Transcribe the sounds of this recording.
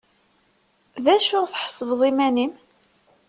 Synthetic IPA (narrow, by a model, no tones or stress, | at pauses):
ðæʃʊʁθħə̥sˤːəvðˤimænim